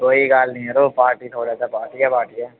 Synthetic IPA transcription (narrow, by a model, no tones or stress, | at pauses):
koːiɡaːlnĩɛɾoːpaːɾʈit̪ʰoːɽasapaːɾʈijapaːɾʈija